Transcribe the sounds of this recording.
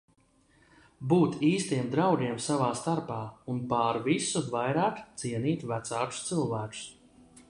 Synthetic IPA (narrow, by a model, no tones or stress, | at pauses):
buːt̪iːst̪iɛmd̪ɾawɡiɛmsavaːst̪aɾpaːunpaːɾvisuvajɾaːkt̪siɛniːt̪væt̪saːkʊ̥st̪silˠvæːkʊ̥s